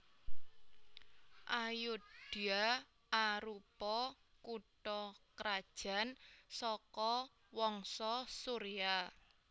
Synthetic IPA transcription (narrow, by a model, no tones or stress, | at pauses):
ʔajud̥ia | aɾupɔ | kuʈɔkɾad̥ʒ̥a̤nsɔkɔ | wɔŋsɔsuɾia